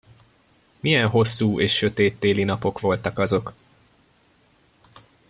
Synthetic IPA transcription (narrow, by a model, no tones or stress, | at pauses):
miɛnɦo̞sːuːʔeːʃːø̞t̪eːt̪ːeːlinɒpo̞kʋo̞lt̪ɒkɒzo̞k